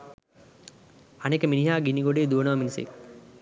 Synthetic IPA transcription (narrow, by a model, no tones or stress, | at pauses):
ɐnekːeminiɦaːɡiniɡoɖeːd̪uɐnɐʋɐminisḛk